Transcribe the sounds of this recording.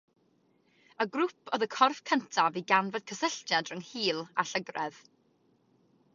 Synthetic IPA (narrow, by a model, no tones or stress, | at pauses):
əɡrʊpʰɔðəkʰɔrfkʰəntʰaviɡanvəd̥̚kʰəsəɬd͡ʒjadrʊŋhiːlˠa̰ɬəɡrɛð